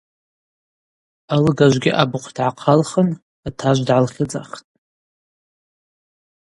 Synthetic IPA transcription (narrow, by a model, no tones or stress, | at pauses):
alɨɡaʒʷɡʲɪʔabʊqʰʷdʕaqʰalχən | atʰaʒʷdʕalχʲɪd͡za̰χtʼ